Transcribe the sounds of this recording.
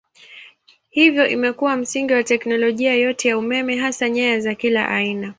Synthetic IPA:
hivjɔʔimɛkuwam̩siŋɡiwatɛknɔlɔʄiajɔtɛjaumɛmɛɦasaɲɛazakila̰ʔa̰ina

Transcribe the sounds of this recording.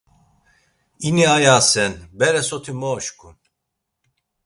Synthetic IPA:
iniajaːsɛnbɛɾɛsɔt̪ʰimɔʃkun

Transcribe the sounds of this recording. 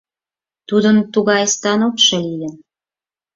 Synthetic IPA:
t̪ud̪ənt̪uɣɑjst̪ɑnokʃɤ̆lijən

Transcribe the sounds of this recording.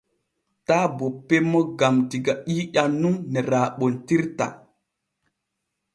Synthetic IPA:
taːbɔpːɛmːɔɡamtiɡaʔiːɗanːumnɛɾaːɓɔntiɾta̰

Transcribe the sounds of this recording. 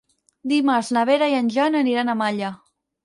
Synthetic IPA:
d̪imaɾznəβeɾaiənʲʒanəniɾanəmaʎa

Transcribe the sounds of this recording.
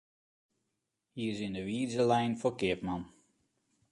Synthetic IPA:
hiːɪsɪndəʋiːzəlɛjnfokɪəpman

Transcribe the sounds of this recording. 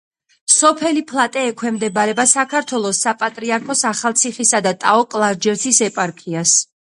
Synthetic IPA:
sɔpʰɛlipʰlˠat̪ʼɛːkʰwɛmd̪ɛbaɾɛbasakʰaɾt̪ʰwɛlˠɔsapʼat̪ʼɾiaɾkʰɔsaχalˠt̪sʰiχisad̪at̪ʼaɔkʼlˠaɾd͡ʒɛɾt̪sʰisɛpʼaɾkʰias

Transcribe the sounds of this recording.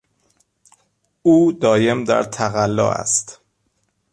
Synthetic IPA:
uːd̪ɒːje̞md̪æ̰ɾt̪ʰæɣælːɒ̰ːæ̰st̪

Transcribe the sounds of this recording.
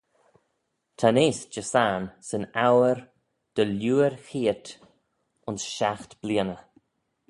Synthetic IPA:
t̪ʰaneːsd͡ʒəsaːnsənawəɾ | d̪̥əljuːəɾxiːt̪ | ʊnsʃaxt̪b̥liənə

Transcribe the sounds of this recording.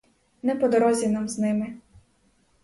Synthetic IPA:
nɛpɔd̪ɔɾɔzʲinamznɪmɪ

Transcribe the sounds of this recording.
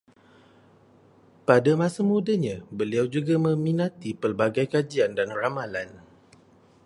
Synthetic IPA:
padamãsamudaɲãbəliawd͡ʒuɡamə̃minat̪ipərbaɡajkad͡ʒiandanramalan

